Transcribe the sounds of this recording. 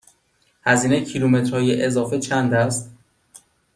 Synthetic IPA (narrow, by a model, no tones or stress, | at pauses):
hæziːnecʰilume̞t̪ɾhɒːjeʔezɒːfet͡ʃʰænd̪æst̪